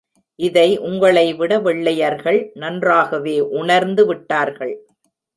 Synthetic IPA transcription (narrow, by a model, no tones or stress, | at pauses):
ʔɪðɐɪʔʊŋɡɐɭɐɪʋɪɽɐʋɪɭːɐjɐɾɣɐɭnɐndraːɣɐʋeːʔʊɳɐɾnd̪ɯʋɪʈːaːɾɣɐɭ